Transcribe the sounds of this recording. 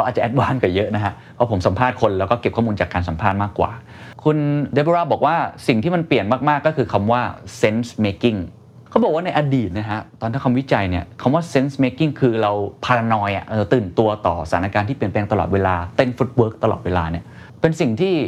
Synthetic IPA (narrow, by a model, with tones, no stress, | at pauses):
kʰwaː˨˩t̚t͡ɕa˨˩ʔɛ˦˥t̪̚baː˥˩nkaː˨˩jɤ˦˥ʔna˦kʰa˦˥pʰɔ˦˥pʰo˩˦msa˩˦mpʰaː˥˩t̪̚kʰo˧nlɛː˦˥wkɔː˥˩ke˨˩p̚ʰɔ˥˩uː˧nt͡ɕaː˨˩kːaː˧nsa˨˩˦mpʰaː˥˩t̪̚maː˥˩kːwa̰ː˨˩ | kʰu˧nde˧˦˥bo˧ɾaː˥˩bɔː˨˩k̚waː˥˩si˨˩ŋt̪ʰiː˥˩ma˧npli˨˩ənmaː˥˩k̚maː˥˩kːɔː˥˩kʰɯː˧kʰa˧mwaː˥˩se˦˥nsmeː˧˥ki˥˩ŋ | kʰa˦˥wbɔ˨˩k̚waː˥˧na˧jʔa˧diː˨˩t̪̚na˦˥kʰa˦˥ʔt̪ɔː˧nt̪ʰaː˥˩kʰa˧mwi˦˥t͡ɕa˧jni˥˩ɐkʰa˧mwaː˥˩se˦˥nsmeː˧˥ki˥˩ŋkʰɯː˧ɾa˧wpʰaː˧ɾa˧nɔː˧jʔa̰˨˩ʔʔɤː˧˩t̪ɯː˨˩nt̪u˧ɐt̪ɔː˨˩sat̪ʰa˦na˧kaː˧nt̪ʰiː˥pi˨˩ənpɛː˧ŋt̪a˧lɔ̰˨t̪̚weː˧laː˧t̪e˧nfu˦˥t̪̚wɤː˦˥k̚t̪a˧lɔ̰˨˩weː˧la̰ː˧ni˥˩ɐ | pe˧nsi˨˩ŋt̪ʰiː˥˩